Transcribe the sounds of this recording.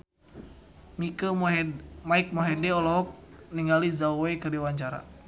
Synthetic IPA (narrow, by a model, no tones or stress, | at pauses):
mikə | maik̚mɔɦɛdɛɔlɔɦɔk̚niŋɡalizaowekərdiwaɲt͡ʃaɾa̰